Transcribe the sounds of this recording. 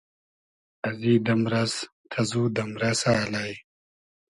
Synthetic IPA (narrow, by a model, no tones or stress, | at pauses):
ɐziːd̪ɐmɾɐs | t̪ʰɐzuːd̪ɐmɾɐsaːlaj